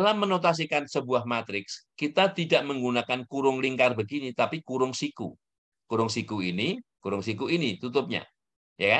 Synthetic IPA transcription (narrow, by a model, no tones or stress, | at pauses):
lamːənot̪as̬ikansəbuahmat̪ɾɪkskit̪at̪idaʔməŋɡunakankuɾʊŋliŋkarbəɡinit̪apikuɾʊŋsikṵ | kuɾʊŋsikuinikuɾʊŋsikuinit̪ut̪ʊp̚ɲa̰ | jaka